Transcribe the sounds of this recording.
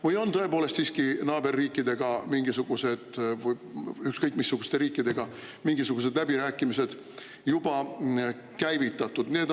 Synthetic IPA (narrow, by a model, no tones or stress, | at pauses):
vɯjo̞nt̪ɤ̞e̞po̞ːle̞st̪siːskinɑːbe̞rːiːkˑːid̪̥e̞ɡ̥ɑmiŋɡ̥isuɡ̥use̞d̪̥vɯjykskɤjkːˑmisːuɡ̥ust̪e̞ɾiːkːˑid̪̥e̞ɡ̥ɑ | miŋɡ̥isuɡ̥us̬e̞d̪læbiɾæːkːˑimise̞d̪̥ | jub̥ɑ | kæjvit̪ːˑɑt̪ːˑud̪̥ne̞ːd̪